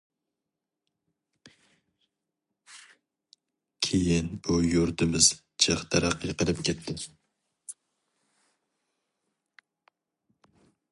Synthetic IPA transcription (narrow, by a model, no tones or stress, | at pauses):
kʲʰejɪnbujuɾt̪ʰɪmɪz | t͡ʃʰəχt̪ʰæɾæqːiqəlˠɨp̚kʲʰɛt̪ʰːɪ